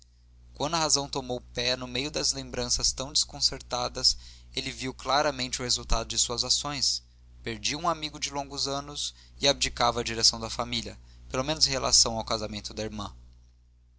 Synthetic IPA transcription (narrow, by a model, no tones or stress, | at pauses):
kwɐ̃nd̪ʊɐɦazɐ̃w̃t̪omowpɛnʊmejʊd̪ɐzlẽmbɾɐ̃sɐst̪ɐ̃w̃d͡ʒɪskõseɾt̪ad̪ɐselɪviwklaɾɐmẽnt͡ʃɪʊhezuwt̪ad̪ʊd͡ʒɪsuɐzasõj̃s | peɾd͡ʒiũamiɡʊd͡ʒɪlõŋɡʊzɐ̃nʊs | ɪab̚d͡ʒikavɐːd͡ʒiɾesɐ̃w̃d̪ɐfamilʲɐpelomẽnʊzẽɦhelʔa̰sɐ̃w̃awkazamẽnt̪ʊd̪ɐiɾmɐ̃